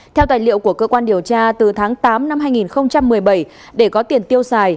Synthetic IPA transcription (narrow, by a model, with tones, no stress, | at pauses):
t̪ʰɛ˧wt̪aː˧˨jlḭ˧˨əwku˧˩əkəː˧kwaː˧nɗi˨˩əwt͡ɕaː˧t̪ɨ˨˩t̪ʰaː˨˦ŋt̪aː˨˦mna˧mɦaː˧jŋi˨˩nxə˧wŋ͡mt͡ɕa˧mːɨ˨˩əjɓə˧˩j | ɗe˧˩kɔ˨˦t̪i˨˩ənt̪i˧əwsaː˨˩j